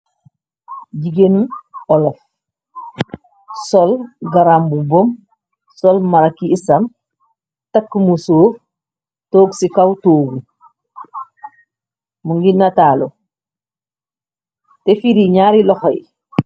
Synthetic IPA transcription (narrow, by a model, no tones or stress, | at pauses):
ɟiɡenuolof | sɔlɡaɾambubom | solmaɾakiːsam | takːmusoːf | toːɡsikawtoːɡu | muŋɡinatalo | tefiɾiɲaːɾilɔxojḭ